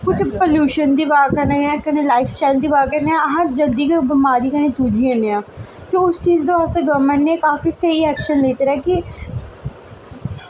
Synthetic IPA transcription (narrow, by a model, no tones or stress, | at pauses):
kʊt͡ʃʰpoljuːʃənd̪iːbaːkəɾneːãːkəneːlaːɪfsʈaːɪld̪iːbaːkəɾneãɦəɾd͡ʒəld̪iːkebəmaːd̪iːkənẽːt͡ʃuːd͡ʒiːẽneãːk̪eʊst͡ʃiːzd̪eːʋaːst̪eːɡəmːənneekaːfiːseiːɛːkʃənleːt͡ʃɾɛːkɪ